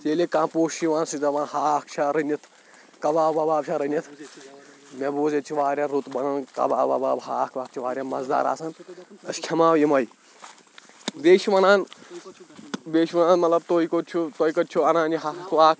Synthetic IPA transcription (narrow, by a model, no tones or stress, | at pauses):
teːlekãːpoːʃiʋaːnsizɐʋaːnhaːkʰt͡ʃʰaɾɐnit̪ʰ | kɐbaːbɐbaːbt͡ʃʰaɾɐnʲit̪ʰ | mebuːzet͡ʃʰiʋaːɾʲjaɾut̪bɐnɐnkɐ̰ba̰ːba̰baːbɦaːkʋaːk̚t͡ʃʰiʋaːɾʲjamɐzd̪a̰ːɾa̰ːsɐnɐskʰʲɐmaːwjimɐj | beːʃiʋɐnaːn | beːʃʋɐnaːnmɐt̪lɐb̚t̪oːikot͡ʃʰut̪oikɐt͡ʃʰuɐnaːniɦakʋaːk